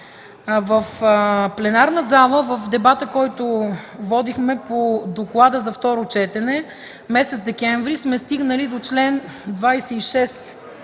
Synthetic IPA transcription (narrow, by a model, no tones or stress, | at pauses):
vəfplɛnaɾnəzalˠəvəfd̪ɛbat̪əkɔjt̪ʊvɔd̪ixmɛpod̪oklˠad̪əzɐft̪ɔɾot͡ʃɛt̪ɛnɛ | mɛsɛt̪zd̪ɛkɛɱvɾismɛst̪iɡnəlid̪ot͡ʃlɛn | d̪vajsɛiʃɛs